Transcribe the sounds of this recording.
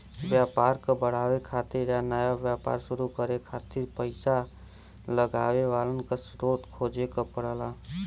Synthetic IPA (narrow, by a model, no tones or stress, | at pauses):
bjapaɾkebəɽ̤awekʰat̪iɾanajabjapa̰ɾsuɾukəɾekʰat̪iɾpəɪsa | ləɡaweʋalənkəsɾot̪kʰod͡ʒekɔpəɽəla